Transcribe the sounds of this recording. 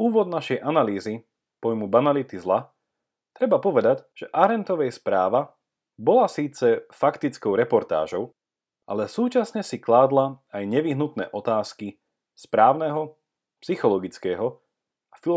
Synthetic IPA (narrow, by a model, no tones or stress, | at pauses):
uːʋɔd̪̚naʃɛjʔanaliːzi | pɔjmubanalit̪izla | t̪ɾɛbapɔʋɛd̪aɟʒ̥ɛʔaɾɛnt̪ɔʋɛjspɾaːʋa | bɔlasiːt͡sɛfakt̪it͡skɔʊɾɛpɔɾt̪a̰ːʒɔʊ | ʔa̰lɛsuːt͡ʃasɲɛsiklaːd̪laajɲɛʋiɦnut̪nɛ̰ːʔɔt̪aːski | spɾaːʊnɛɦɔ | psixɔlɔɡit͡skɛːɦɔ | afi